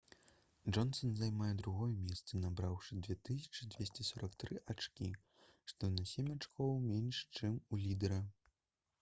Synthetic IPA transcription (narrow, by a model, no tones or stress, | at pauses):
ʐɔnsɔnzajmajɛd̪ɾuɣɔjɛmʲɛst̪sɐnabɾawʂɨd͡z̪ʲvʲɛt̪ɨs̬ʲɐ̥t͡ʂɨdʲvʲesʲt͡sʲɛsɔɾɐkt̪ɾɨʔat͡ʂkʲḭ | ʂt̪ɔnɐsʲemʲat͡ʂkɔwˠmʲenʲʂt͡ʂɨmulʲid̪ɛɾɐ